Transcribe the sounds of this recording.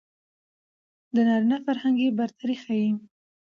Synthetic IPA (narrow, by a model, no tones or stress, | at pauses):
d̪ənɑɾinafaɾhaŋɡebaɾt̪ʰaɾexaji